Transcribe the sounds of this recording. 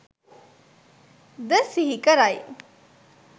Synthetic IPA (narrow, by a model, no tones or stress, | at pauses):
d̪əsiɦikəɾaj